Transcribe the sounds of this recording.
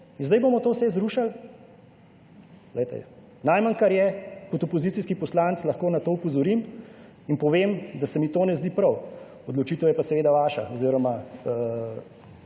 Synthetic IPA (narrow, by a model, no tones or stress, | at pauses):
inzd̪ɐjbomɔt̪oːwsɛzɾuʃal | lɛjt̪ɛ̰ | najmankaɾjɛkɔt̪ɔpɔziːt̪iskipɔslant̪slɐxkoːnat̪oːupɔzɔɾim | inpɔʋemd̪asɛmit̪oːnɛzd̪iːpɾɐw | ɔd̪lɔt͡ʃiːt̪əwjɛpasɛʋeːd̪aʋaːʃa̰oziɾɔma